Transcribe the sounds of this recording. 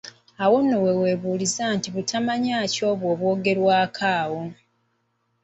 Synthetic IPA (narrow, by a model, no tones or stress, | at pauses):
awo̞nːo̞we̞we̞ːβuːlizaːntiβutʰamaɲaːco̞ːβwo̞ːβwo̞ːɡe̞ɾwaːkʰaːwo̞